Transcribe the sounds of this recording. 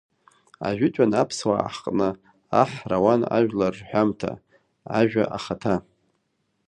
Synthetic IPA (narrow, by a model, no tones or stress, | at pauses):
a̰ʒʷᶣɪt͡ʃʷʼanapʰswa̰ħqʼnɨ | aħrawana̰ʒᶣlarħʷᶣamtʰa̰ | aʒᶣaʔaχatʰa